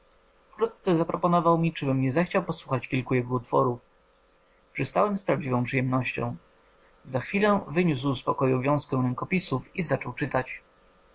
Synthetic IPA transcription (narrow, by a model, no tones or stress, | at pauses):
fkɾut̪̚t̪sɛzapɾɔpɔnɔvawmʲit͡ʂɘbɘmɲɛzaxt͡ɕawpɔswuxat͡ɕkʲilkujɛɡɔut̪fɔ̰ɾuf | pʂɘst̪awɛmspɾavd͡ʑivɔ̃w̃pʂɨjɛmnɔɕt͡ɕɔ̰̃w̃ | zaxfʲilɛvɘɲus̬wspɔkɔjuvʲjɔ̃w̃skɛ̃ɾɛŋkɔpʲisufizat͡ʂɔwt͡ʂɘt̪at͡ɕ